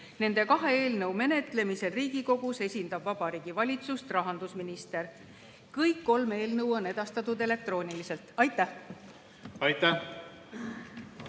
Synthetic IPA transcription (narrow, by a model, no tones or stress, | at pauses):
ne̞nd̪e̞kɑɦe̞eːlnɤwme̞ne̞t̪le̞mise̞lriːɡ̥iko̞ɡ̥use̞sʲind̪ɑbvɑb̥ɑɾiːɡ̥ivɑlʲit̪sust̪rɑɦɑnd̪usminist̪e̞ɾ | kɯjkːo̞lme̞ːlnɤwo̞ne̞d̪̥ɑst̪ɑt̪ːˑud̪e̞le̞k̚t̪ro̞ːnʲilise̞lt̪ɑjt̪ːˑæh | ɑjt̪ːæh